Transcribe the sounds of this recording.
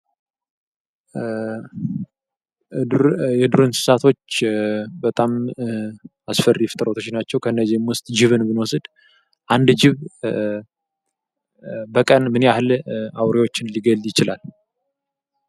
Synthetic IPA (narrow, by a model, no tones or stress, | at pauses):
jɛd̪uɾɨnsɨ̥sat̪ʰo̞t͡ʃːbət̪ʼam | asfəriɛft̪ʼəɾot̪ʰot͡ʃːnat͡ʃːɛwkʰəɨnːəzimwʊst̪ʼd͡ʒɪβɨnbɨnwɔsɨd̪ | ʔand̪d͡ʒɪβ | bəkʼənmɨneahɨlawɾawo̞t͡ʃːɪnliɡəlːjɪt͡ʃɪlal